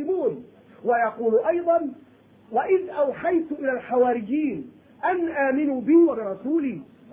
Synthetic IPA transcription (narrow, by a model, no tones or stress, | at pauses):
ɪmuːn | wajɑquːlʔɑjd̪ˤɑn | waʔɪðʔawħajt̪ʊʔɪlaːlħawaːɾɪd͡ʒiːn | ʔanʔaːmɪnuːbɪwabɪɾˤɑsuːliː